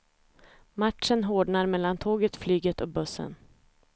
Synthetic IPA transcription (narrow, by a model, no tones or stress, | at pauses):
maʈʂənɦoːɖɳaɾmɛlːant̪ʰoːɡət̪flyːɡət̪ʰɔbɵsːə̰n